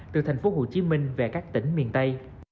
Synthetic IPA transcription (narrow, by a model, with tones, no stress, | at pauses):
t̪ɨ˨˩t̪ʰa˨˩jŋ̟fo˨˦ɦo˧˩t͡ɕi˨˧˦mï˨˩ŋ̟ve˨˩kaː˦˥k̚t̪ï˨˦ŋ̟mḭ˨˩ənt̪ə˧j